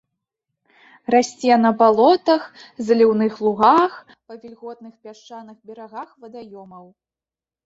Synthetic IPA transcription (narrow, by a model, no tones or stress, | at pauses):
rasʲt͡sʲɛnɐbalˠɔt̪ɐxzɐlʲiwnɨxlˠuɣax | pɐvʲilʲɣɔt̪nɨxpʲaʂt͡ʂanɨxbʲɛɾaɣaxvɐd̪ajɔmɐw